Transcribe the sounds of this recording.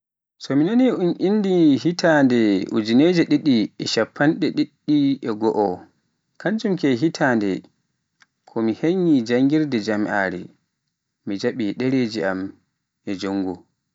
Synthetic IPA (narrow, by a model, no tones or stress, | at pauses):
sɔminaniunʔinːdihitʰandɛṵd͡ʒineːd͡ʒɛɗiɗːiɛʃapʰːanɗɛɗiɗːiɛɡɔʔɔ | kand͡ʒumkɛɦitʰaːndɛ | kʰɔmiheɲːid͡ʒaŋɡiɾdɛd͡ʒamʔaːɾɛ̰ː | id͡ʒaɓiɗɛɾed͡ʒiʔam | ʔɛd͡ʒoŋːɡu